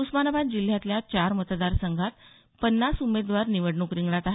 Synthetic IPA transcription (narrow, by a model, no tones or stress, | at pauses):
usmanəbat̪̚d͡ʑil̤jãt̪ljat͡ɕaɾmət̪d̪aɾsəŋɡʱat̪ | pənːasumed̪ʋaɾniʋəɽɳukɾiŋɡɭat̪aɦe